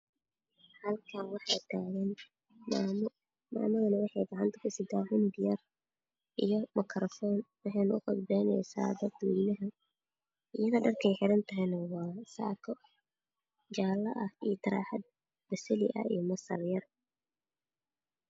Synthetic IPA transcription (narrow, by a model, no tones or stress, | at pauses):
hɐlkʰɐnwɑħɑjt̪ʰaːɣɐn | ma̰ːmɐðɐnɐwɑħɑjbɑʕɐnt̪ʰɐ̥kʰʊsɪt̪ʰaːhʊnb̪ɪjɐr | ʔijɞmɐkʰɾɔfɔnwɑħɛjnʊʊqɔdbɛjnɛ̰jsa̰ːd̪ɐd̪ʊjnɐɦɐ | ɪjɐðɐɖɐrkʰɛjħɪɾɐnt̪ʰɐɦɛjnɐwɑːsa̰ːkʰɔ | t͡ʃaːlɐʔɐhijt̪ʰɐɾa̰ːħɐd̪̚ | bɐsɐlɪ̰ʔɐ̰ḭjmɐsɐ̰rjɐr